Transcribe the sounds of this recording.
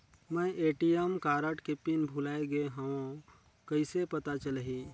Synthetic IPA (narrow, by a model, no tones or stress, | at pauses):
məjʔeʈijemkaɾəʈkepinbʱulaeɡeɦəõ | kəɪsepət̪at͡ʃəlɦi